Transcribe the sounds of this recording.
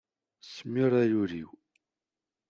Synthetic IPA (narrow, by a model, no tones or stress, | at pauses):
səmːiɾˤæɾʊɾḭw